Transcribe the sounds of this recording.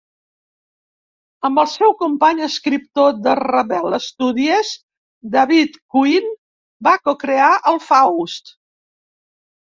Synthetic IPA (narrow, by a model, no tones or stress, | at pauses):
əmbəlˠsɛwkumpaɲəskɾip̚t̪od̪ərəβɛləst̪uðiəz | d̪aβit̪kuin | bakokɾeaʔəlˠfawst̪